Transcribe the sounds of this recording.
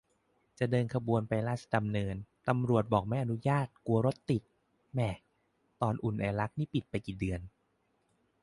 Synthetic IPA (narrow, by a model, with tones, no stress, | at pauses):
t͡ɕa˨˩dɤː˧nkʰa˧bu˧ənpa˧jlaː˥˩sa˧˩da˧mnɤː˧nt̪a˧mɾu˨˩ət̪̚bɔː˨˩k̚maɛː˦˥ʔa˧nu˦˥jaː˥˩t̪̚ku˧ɐɾo˦˥t̪ːi˨˩t̪̚ | mɛ˧˩ | t̪ɔː˧nʔu˨˩nʔɛː˨˩la˦˥k̚niː˥˩pi˨˩t̪̚pa˧jkiː˨˩dɯ˧ən